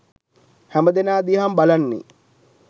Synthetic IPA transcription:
hæməd̪enaːd̪iɦambalanːḭ

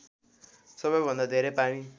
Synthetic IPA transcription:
sʌbʌjbʱʌnd̪ad̪ʱeɾepañĩ

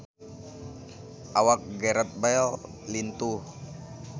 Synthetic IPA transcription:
ʔawak̚ɡɛɾət̪̚bal | lint̪uh

